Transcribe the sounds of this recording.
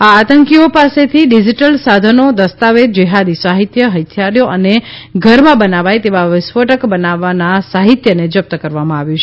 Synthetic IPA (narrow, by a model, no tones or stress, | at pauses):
aːt̪əŋkiopaset̪ʰiɖid͡ʒiʈəlsad̪ʱənod̪əst̪aʋed͡ʒəɦad̪isaɦit̪jəɦət̪ʰjaɾjoʔəneɡʱəɾmãbənaʋajt̪eʋaʋɪsʋəʈəkbənaʋanasaɦit̪jəned͡ʒəp̚t̪əkəɾʋamãaʋjũt͡ʃʰe